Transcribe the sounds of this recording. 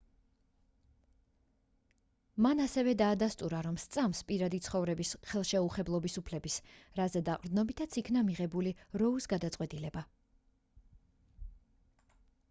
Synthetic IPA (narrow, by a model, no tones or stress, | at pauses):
manasɛvɛd̪aːd̪ast̪ʼuɾaɾɔmst̪sʼamspʼiɾad̪it̪sʰχɔvɾɛbisχɛlˠʃɛuχɛblˠɔbisupʰlɛbisɾazɛd̪aqʼɾd̪nɔbit̪ʰat̪sʰikʰnamiʁɛbuliɾɔusɡad̪at̪sʼqʼwɛt̪ʼilɛba